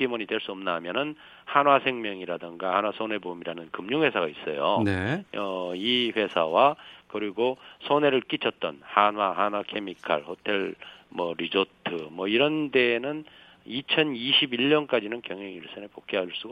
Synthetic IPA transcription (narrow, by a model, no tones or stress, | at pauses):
imoɲidwe̞ɭs͈uʌmnamjʌnɯn | hanwasʰe̞ŋmjʌŋiɾadɯŋɡahanwasʰone̞bomiɾanɯnkɯmɲuŋhwe̞sʰaɡais͈ʌjoneʌiɸwe̞sʰawakɯɾiɡosʰone̞ɾɯɭk͈it͡ɕʰʌt̚t͈ʌ̰nhanwaɦanwakʰe̞mikʰa̰ɭhotʰe̞ɭmʌɾid͡ʑotʰɯmwʌiɾʌnde̞ːnɯn | it͡ɕʰʌniɕʰibiɭɲʌnk͈ad͡ʑinɯnkjʌŋɦeŋiɭs͈ʌnepok͈̚eɦaɭs͈uɡ